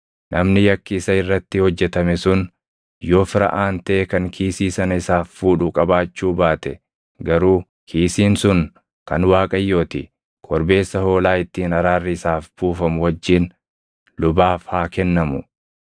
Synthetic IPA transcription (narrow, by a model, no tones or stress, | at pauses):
nʔɐmnɪjɐkːɪːsɐɪrːɐt̪ːɪhɔd͡ʒːɛt̪ɐmɛsʊn | jo̞ːfɪɾɐ̰ʔaːnt̪ɐeːkɐŋkʰiːsiːsɐnɐɪsaːfːuːᶑʊkʼɐbaːt͡ʃːuːbaːt̪ɛ | ɡɐɾuː | kʰiːsiːnsʊn | kɐnwaːkʼɐjːo̞ːt̪ɪ̰ | kʰɔɾbe̞ːsːɐho̞ːlaːɪt̪ːiːnɐɾaːrːɪɪsaːfbuːfɐmʊwɐd͡ʒːiːn | lʊbaːfhaːkɛnːɐmʊ